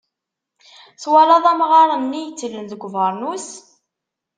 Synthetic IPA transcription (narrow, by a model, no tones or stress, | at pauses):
θwalɑðˤæmʁɑɾˤɑnːijət͡sːlənðəɡʷvəɾˤnus